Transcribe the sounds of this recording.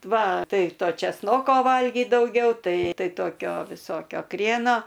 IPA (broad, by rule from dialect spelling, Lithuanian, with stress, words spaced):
ˈʋɐ ˈtɐɪ ˈtoː t͡ʃʲɛˈsnoːkoː ˈʋɐlʲɡʲiːt dɐʊˈɡʲɛʊ ˈtɐɪ ˈtɐɪ ˈtoːkʲoː ʋʲɪˈsoːkʲoː ˈkrʲiɛnoː